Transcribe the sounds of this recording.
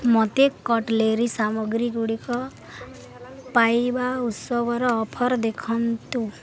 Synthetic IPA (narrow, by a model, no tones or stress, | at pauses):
mɔt̪ekɔʈleɾisamɔɡɾiɡuɽikɔ | pajbautsɔɡɔɾɔːpʰɔɾd̪ekʰɔnt̪u